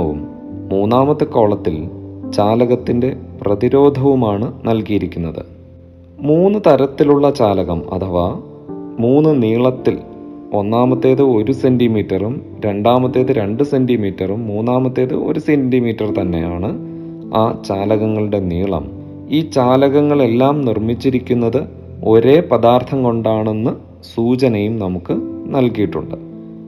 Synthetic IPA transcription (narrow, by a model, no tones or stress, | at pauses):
ʋṵmː | uːnːaːmɐt̪ːɨko̞ːɭɐt̪ːilt͡ɕaːlɐɣɐt̪ːinde̞prɐðiɾo̞ːd̪ʱɐʋumaːɳɨnɐlkijiɾikʲːunːɐðɨ̰ | muːnːɨt̪ɐɾɐt̪ːiluɭːɐt͡ɕaːlɐɣɐmɐ̰t̪ʰɐʋa | muːnːɨniːɭɐt̪ːilo̞nːaːmɐt̪ːe̞ːðɨo̞ɾuse̞ndimiːtːɐrum | ɾe̞ɳɖaːmɐt̪ːe̞ːðɨɾe̞ɳɖɨse̞ndimiːtːɐrumːuːnːaːmɐt̪ːe̞ːðɨ̰ʔo̞̰ɾusendimiːtːɐrt̪ɐnːe̞̰jaːɳɨ | aːt͡ɕaːlɐɣɐŋːɐɭuɽe̞niːɭɐ̰m | iːt͡ɕaːlɐɣɐŋːɐɭe̞lːaːmnirmit͡ɕːiɾikʲːunːɐðɨ | o̞ɾe̞ːpɐðaːrt̪ʰɐmko̞ɳɖaːɳe̞nːɨ | suːt͡ɕɐnɐjumnɐmukːɨnɐlkijiʈːuɳɖɨ